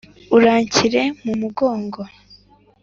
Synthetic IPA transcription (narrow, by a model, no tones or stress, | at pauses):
uɾaːɲciɾe̞mumuɡo̞ːŋɡo